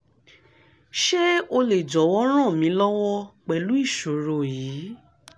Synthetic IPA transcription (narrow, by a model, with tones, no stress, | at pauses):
ʃe˦o˧le˨d͡ʒɔ˨˦wɔ˦ɾ̃ã˦˨mĩ˨˧˦lɔ˦wɔ˦k͡pɛ˨lu˨˦i˦˨ʃo˨ɾo˧˨jiː˨˦